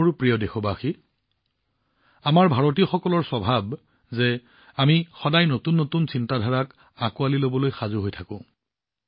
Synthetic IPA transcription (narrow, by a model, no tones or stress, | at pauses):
ɹpɹijɔdexɔbaxi | amaɹbʱaɹot̬iɔxɔkɔlɔɹsɔbʱab | zɛ | amixɔdajnotunːotunsintadʱaɹak | akualilobɔlojxazuɦojtʰakʊ̃